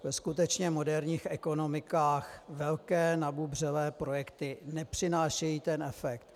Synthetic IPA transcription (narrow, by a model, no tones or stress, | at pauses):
vɛskut̪ɛt͡ʃɲɛmodɛɾɲiːxɛko̞no̞mɪkaːxvɛlkɛːnabubr̝ɛlɛːpɾo̞jɛkt̪ɪnɛpr̝̥ɪnaːʃɛjiːt̪ɛnʔɛfɛkt̪